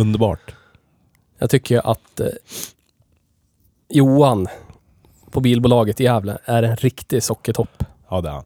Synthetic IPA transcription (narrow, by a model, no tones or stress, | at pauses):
ɵnd̪əɾbɑ̰ːʈ | jɑːɡt̪ʰʏkʰːəɾʔa̰t̪ | juːan | pʰɔbiːlbuːlɑːɡət̪ɪjæːvlə̰æɾɛnɾɪkt̪ɪsɔkːəʈ̪ʰɔpː | d